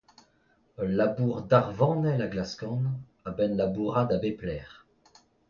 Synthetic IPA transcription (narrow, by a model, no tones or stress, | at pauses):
labuʁd̪aʁvɑ̃nɛlaɡlaskɑ̃n | abɛnlabuʁad̪abeplɛːʁ